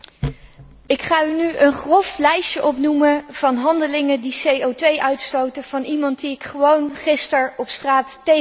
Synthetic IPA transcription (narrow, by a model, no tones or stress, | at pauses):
ɪkχaːynyʔənχrɔflɛjʃəʔɔpnuməv̥ɑnɦɑndəlɪŋədisejowtʋejʔœɥtstowtəv̥ɑnimɑnt̚diɪkχəʋownχɪstəɹɔpstraːtːe